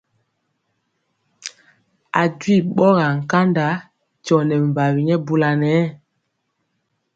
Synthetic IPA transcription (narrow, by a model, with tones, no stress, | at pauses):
a˨ɟwi˦˨ɓɔ˦ɣa˨ŋ̩˨ka˦nda˨˦ | t͡ʃɔ˨nɛ˨m˨ba˨wi˨ɲɛ˦bu˦˨la˨nɛ˨˦